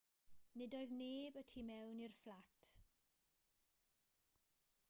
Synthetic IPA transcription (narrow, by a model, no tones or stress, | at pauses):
nɪdoːɨðneːbətʰimɛwnirflatʰ